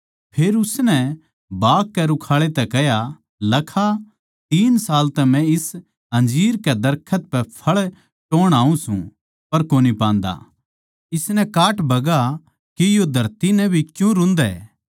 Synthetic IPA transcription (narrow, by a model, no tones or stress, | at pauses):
pʰeːɾʊsnɛ | baːkkɛɾʊkʰaːɭet̪ɛkɛɦja | lɐkʰa | t̪iːnsaːlt̪ɛmɛ̃ɪs | ɦɐ̃nd͡ʒiːɾkɛd̪ɐɾkʰət̪̚pɛpʰɐɭ | ʈoːɽ̃aːũsṵ̃ | pɐɾkoːnipãːnd̪a̰ | ɪsnɛkaːʈbʱɐɡa | kijod̪ʱɐɾt̪inɛ̃bʱikjũɾʊ̃nd̪ɛ